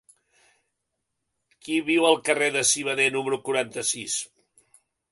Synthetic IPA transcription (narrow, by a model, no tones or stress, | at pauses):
kiβiwəlˠkəreðəsiβ̞əðenuməɾukuɾant̪əsis